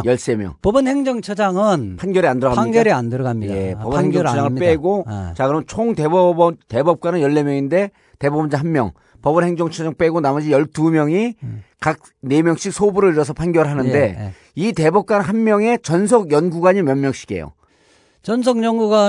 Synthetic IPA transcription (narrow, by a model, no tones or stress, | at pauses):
jʌɭs͈e̞mjʌ̰ŋpobɯnheŋd͡ʑʌŋt͡ɕʰʌd͡ʑaŋɯnpʰanɡjʌɾiandɯɾʌɡamiɡaɾiandɯɾʌɡamiepʌbʌnheŋd͡ʑʌŋʰʌaŋɯɭp͈eɡot͡ɕakɯɾʌmɯnt͡ɕʰoŋte̞bʌbʌnte̞bʌp̚k͈wanɯnjʌɭːe̞mjʌŋinde̞ | te̞bʌbʌnd͡ʑaɦanmjʌ̰ŋ | pʌbʌnheŋd͡ʑʌŋt͡ɕʰʌd͡ʑaŋp͈e̞ɡonamʌd͡ʑijʌɭtumjʌŋikak̚ | ne̞mjʌŋɕ͈ʰik̚sʰobuɾɯɭiɾʌsʰʌpʰanɡjʌɾɯɭɦanɯnde̞ | ite̞bʌp̚k͈anɦanmjʌŋe̞t͡ɕʌnsʰʌɡjʌnɡuɡaɲimjʌnmjʌŋɕ͈ʰi̥ɡe̞̰jo̰ | t͡ɕʌnsʰʌŋɲʌŋɡuɡa